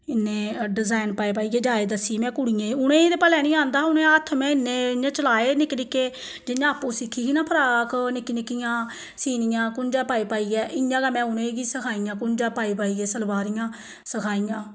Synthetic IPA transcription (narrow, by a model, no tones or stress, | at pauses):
ɪnːẽːɖɪzaːɪnpaːeːpaːiːɡɛːd͡ʒaːeːd̪əsːimɛ̃ːkʊɽijãːʊñẽːd̪eːpəlɛːnĩːãːnd̪aːʊnẽːət̪ʰːmɛ̃ːɪnːẽːãːt͡ʃəlaːeːnɪkːɾikeː | d͡ʒɪnjãːəpːũːsɪkʰːiːɡiːnãːpʰəɾaːknɪkːiːnɪkːɪjãː | siːnɪjãːkʊnd͡ʒãːpaːiːpaːiːɡɛːʔɪjãːɡaːmɛ̃ːʊnẽːɡiːsəkʰaːijãːkʊnd͡ʒãːpaːiːpaːiːɡɛːsəlbaːɾijãː | səkʰaːijãː